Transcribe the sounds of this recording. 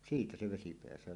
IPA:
siːtæ se ʋesi peæsøː

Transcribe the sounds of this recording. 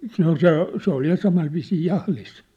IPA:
se ol se se ol jɑ sɑmɑi ʋiːsiː jɑhlis

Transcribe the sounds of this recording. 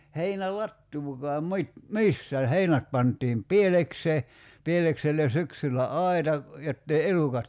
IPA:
heinælɑtːuːkɔɑm mŭit misːæːn̞ heinæt pɑntˑiːm pielekseː pielekselːen̞ syksylːæ ɑi̞tɑ jotːei elukɑt

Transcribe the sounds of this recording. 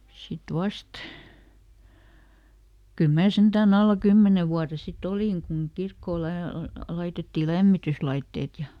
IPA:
sit ʋɑst kyl mæː sentæːn ɑlːɑ kymːene ʋuɑre sit oliˑŋ kuŋ kirkːoː læ lɑitetːiː læmːityslɑitːeːt jɑ

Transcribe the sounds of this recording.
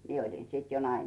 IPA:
mie olʲin siˑt jo nɑimisiˑs

